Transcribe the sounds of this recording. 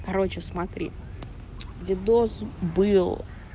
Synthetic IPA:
kɐɾo̞t͡ɕɪsmɐt̪ɾʲḭ | vʲɪd̪ozbɨlˠ

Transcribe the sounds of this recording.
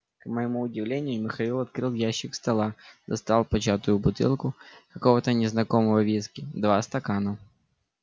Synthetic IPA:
kmɐjɪmuʊdʲɪvlʲenʲɪjʊmʲɪxɐilˠɐt̪̚kɾɨlˠjaɕːɪkst̪ɐlˠad̪ɐst̪alˠpɐt͡ɕat̪ʊjʊbʊt̪ɪ̰lˠkʊkɐkovət̪ənʲɪznɐkoməvɐvʲiskʲɪd̪vast̪ɐkanɐ

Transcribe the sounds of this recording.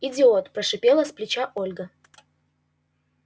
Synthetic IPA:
ɪdʲɪot̪pɾɐʂɨpʲelˠəsplʲɪt͡ɕaʔolʲɡə

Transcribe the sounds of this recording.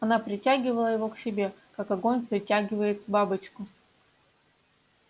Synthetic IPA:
ɐnapɾʲɪtʲaɡʲɪvəlˠəjɪvo̞ksʲɪbʲe̞kakɐɡo̞nʲpɾʲɪtʲaɡʲɪvəjɪt̪babɨt͡ɕkʊ

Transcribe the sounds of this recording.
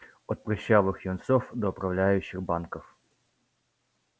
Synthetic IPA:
ɔt̪̚pɾʲɪɕːavɨxjʊnt̪sofd̪ɔʊpɾɐvlʲæjʉɕːɪxbankəf

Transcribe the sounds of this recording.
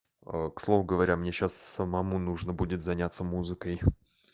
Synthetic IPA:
əkslˠo̞vʊɡəvɐɾʲamnʲeɕassəmɐmunuʐnəbudʲɪt̪zɐnʲat̪səmuzɨkəj

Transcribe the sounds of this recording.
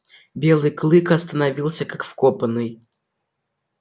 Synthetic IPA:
bʲelˠɨjklˠɨkɐst̪ənɐvʲilˠsʲəkakfkopənɨj

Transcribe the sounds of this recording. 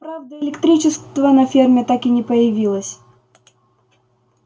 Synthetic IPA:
pɾavd̪əɪlʲɪkt̪ɾʲit͡ɕɪst̪vənɐfʲermʲɪt̪akɪnʲɪpəjɪvʲilˠəsʲ

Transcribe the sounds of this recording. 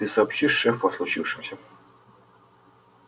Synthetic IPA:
ɨsɐːpɕiʂʂɛfɐslˠʊt͡ɕifʂɨmsʲə

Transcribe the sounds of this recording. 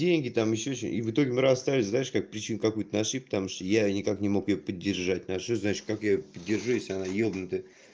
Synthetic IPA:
dʲenʲɡʲɪt̪amjɪɕːot͡ɕɪmʔḭvɨt̪o̞ɡʲɪmɨɾassːt̪aɾlʲɪznajɪʂkak̚pɾʲɪt͡ɕinkakujt̪ənaʂipə̥t̪amuʂt̪əjanʲɪkaknʲɪmo̞kjɪjopədʲːɪrʐat̚ʲnaʂoznat͡ɕɪ̥t̪̚kakjapədʲːɪrʐujesʲlʲɪanajobnət̪ə

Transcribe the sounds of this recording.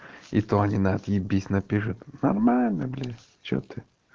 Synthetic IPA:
ḭt̪oɐnʲinat̪jɪbʲisʲnɐpʲiʂʊt̪nɐrmalʲnəblʲi | t͡ɕo̰t̪ɨ

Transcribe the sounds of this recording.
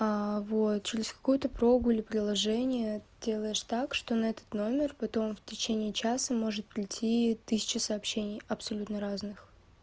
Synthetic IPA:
avo̞t̪t͡ɕɪɾʲɪsʲkɐ̥kujʊt̪əpɾo̞ɡʊilʲɪpɾʲɪlˠɐʐɛnʲɪjədʲe̞lˠəjɪʂt̪akʂt̪o̞nɐɛt̪ə̥t̪no̞mʲɪrpɐt̪o̞mftʲɪt͡ɕenʲɪːt͡ɕasəmo̞ʐɨt̪̚pɾʲɪtʲʰit̪ɨsʲɪ̥t͡ɕɪsɐːpɕːenʲɪjɐpsɐlʲut̪nəɾaznɨx

